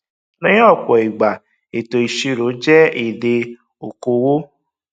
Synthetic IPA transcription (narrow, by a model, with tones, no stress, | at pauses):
nã˦jɔ˦˨kɔ˨i˨ɡ͡ba˨ | e˨to˨i˨ʃi˧ɾo˨˦d͡ʒɛ˦i˨de˧ | o˨ko˧wo˦